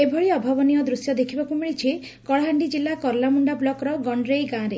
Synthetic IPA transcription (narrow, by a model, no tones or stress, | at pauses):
ebʱɔɭiɔbʱabɔnijɔd̪ɾusjɔd̪ekʰibakumiɭit͡ʃʰi | kɔɭɦaɳɖid͡ʒilːakɔɾlamuɳɖablɔkɾɔɡɔɳɖɾejɡãːɾe